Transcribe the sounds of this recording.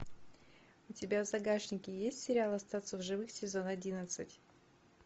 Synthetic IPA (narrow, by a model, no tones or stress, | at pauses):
ʊtʲɪbʲavzɐɡaʂnʲɪkʲɪjesʲtʲsʲɪɾʲɪalˠɐst̪at̪səvʐɨvɨxsʲɪzonɐdʲinət̪sɨtʲ